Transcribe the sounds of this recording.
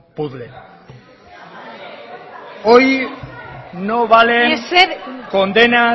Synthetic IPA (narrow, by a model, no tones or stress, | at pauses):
puðle | oj | noβaleskond̪ena